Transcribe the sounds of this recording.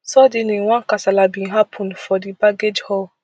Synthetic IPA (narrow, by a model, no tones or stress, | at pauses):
sɔdinĩwãnkasalabĩnɦapʰɔ̃nfɔdibaɡed͡ʒhɔl